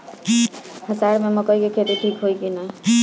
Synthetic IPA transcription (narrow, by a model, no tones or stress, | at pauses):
həsaɾmemʌkʌikekʰet̪iʈʰikɦojkina